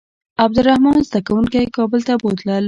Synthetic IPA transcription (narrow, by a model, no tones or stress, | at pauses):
ab̚d̪ʊɾahmɑnzd̪akawuŋkajkɑbəlt̪abod̪lal